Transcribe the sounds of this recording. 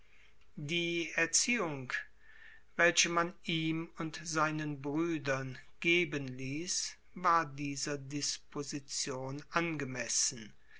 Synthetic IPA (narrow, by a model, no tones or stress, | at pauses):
diːɛɐt͡siːʊŋ | vɛlçəmaniːmʊntz̥aɪnənbʁyːdɐnɡ̥eːbənliːs | vaːɐdiːzɐdɪspʰozit͡sjoːnʔanɡəmɛsn̩